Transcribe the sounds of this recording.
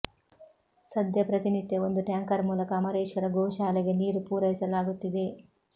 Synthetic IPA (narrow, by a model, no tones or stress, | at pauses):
sɐd̪ʱjɐpɾɐt̪init̪ːeo̞nd̪uʈjaːŋkɐɾmuːlɐkɐːmɐɾeːʃʋɐɾɐɡɔːʃaːleɡe̞niːɾupuːɾɐjisɐlaːɡut̪ːid̪e̞